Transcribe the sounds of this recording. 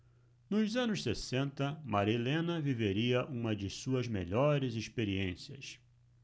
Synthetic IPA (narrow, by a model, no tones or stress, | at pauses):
nʊzɐ̃nʊssesẽnt̪ɐmaɾilẽnɐviveɾiɐʔũmɐd͡ʒɪsuɐzmḛʎɔɾɪziʃpeɾiẽsiɐ̰s